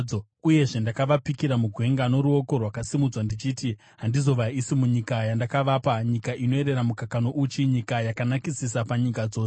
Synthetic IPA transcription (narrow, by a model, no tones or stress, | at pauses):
o | uje̞ʐe̞ndakaʋapikiɾamuɡʱwe̞ŋɡano̞ɾuo̞ko̞rwakasimud͡zwandit͡ʃiti | ɦandizo̞ʋaisimuɲikajandakaʋapaɲikaʔino̞e̞ɾe̞ɾamukakano̞ʔut͡ʃiɲikajakanakisisapaɲikad͡zo̞ːse